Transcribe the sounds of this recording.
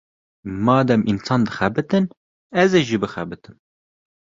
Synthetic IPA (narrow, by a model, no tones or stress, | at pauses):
mɑːd̪ɛmʔinsɑːnd̪ɨxɛbɨt̪ɨn | ɛzeːʒiːbɨxɛbɨt̪ɨm